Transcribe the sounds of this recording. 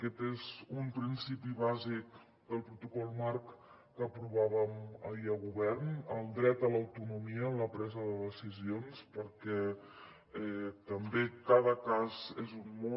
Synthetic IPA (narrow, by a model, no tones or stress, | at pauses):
əkɛt̪ezumpɾinsipiβazik | d̪əlˠpɾut̪ukɔlˠmaɾkː | əpɾuβaβəməiəɣuβɛrnəlˠd̪ɾɛt̪ələwt̪unumiəːmləpɾɛzəðəðəsizionspəɾkɛ | ɛt̪əmbekaðəkazezummɔ